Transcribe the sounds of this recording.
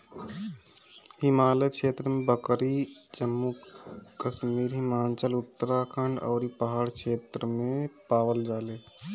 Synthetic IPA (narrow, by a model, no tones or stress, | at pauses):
hɪmaːlekʃeːt̪ɾəmẽbəkɾid͡ʒəmːukəʃmiːɾɦɪmaːnt͡ʃəlʊt̪ːəɾakʰəɳɖɔ̰ːɾipəɦaːɽkʃeːt̪ɾəmẽpaːʋəld͡ʒaːleː